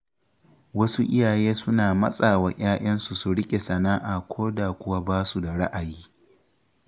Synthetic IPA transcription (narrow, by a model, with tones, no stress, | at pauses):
wɐ˦su˦ʔɪ̰˦jaː˨jeː˦sʊ˦naː˨mɐ̰˦sʼaː˨waː˨ʔʲaː˦ʔɐ˦nsu˨su˨ɽɪ˦kʲʼe˨sɐ˨naː˦ʔaː˨kʷʰoː˦da˨kʷʊ˦wa˦baː˦su˨da˨ɽa̰˦ʔa˨jiː˦